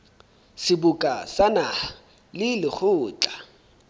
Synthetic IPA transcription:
sɪbʊkʼasana | lɪlɪχʰʊːt͡ɬʼa

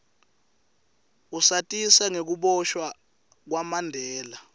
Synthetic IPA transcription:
usatʼisaŋek̬uɓɔʃwa | k̬wamandʱɛːla

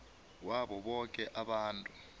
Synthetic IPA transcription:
waɓɔɓɔkʼɛʔaɓaːntʼu

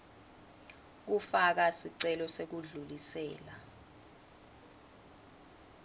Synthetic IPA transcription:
k̬ufak̬asiǀɛlɔsek̬uɮulisɛːla

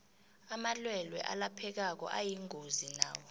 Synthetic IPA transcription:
amalwɛlwɛ̰ʔalapʰɛk̬ak̬ɔ̰ʔajiŋozina̰ːwɔ

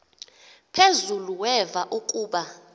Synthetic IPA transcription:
pʰezuluwɛvaʔukʼuːɓa

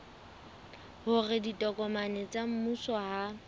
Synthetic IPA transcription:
hʊrɪditʼɔkʼɔmanet͡sʼam̩musɔha

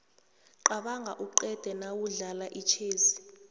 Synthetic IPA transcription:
ǃaɓaŋɡʱaʔuǃɛd̥ʱɛnawuɮalaʔit͡ʃʰeːzi

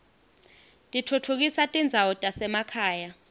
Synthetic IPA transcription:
tʼitʰutʰuk̬isatʼind͡zʱawɔtʼasɛmakʰaːja

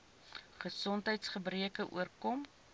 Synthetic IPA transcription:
χəsɔntɦəjtsχəbriəkəʔṵərkɔm

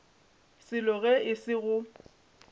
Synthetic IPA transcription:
sɪlɔɣɛɪsɪɣʊ

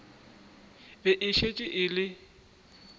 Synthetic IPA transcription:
bɛʔɪʃet͡ʃʼɪʔɪlɪ

